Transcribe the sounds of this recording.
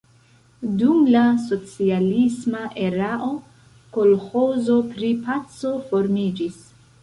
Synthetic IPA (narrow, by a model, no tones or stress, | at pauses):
dumlaso̞t͡sialismaʔe̞ɾaʔo̞ | ko̞lho̞zo̞pɾipat͡so̞fo̞ɾmid͡ʒis